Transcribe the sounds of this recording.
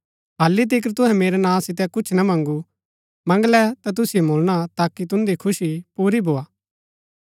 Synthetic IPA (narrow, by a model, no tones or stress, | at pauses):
ɦaːlit̪̬ɪk̬əɾt̪ʊɦɛ̃meːɾɛnãːsɪt̪̬ɛkʊt͡ʃʰnɐmɐ̃ŋɡu | mɐ̃ŋɡlɛt̪at̪̬ʊsijomʱoːlñat̪aːkit̪̬ʊ̃nd̪ikʰʊʃipuːɾibʱoːaː